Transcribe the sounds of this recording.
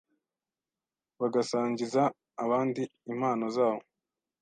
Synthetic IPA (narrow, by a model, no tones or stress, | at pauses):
βaɡasaːɲɟizaː | βaːndiːm̥haːnozaːβo